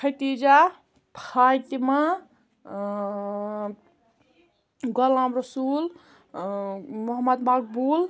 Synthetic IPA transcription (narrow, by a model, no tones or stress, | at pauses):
kʰɐjt̪id͡ʒa | pʰajt̪ima | ɡɔlãmɾəsul | moɦmːəd̪mak̚bul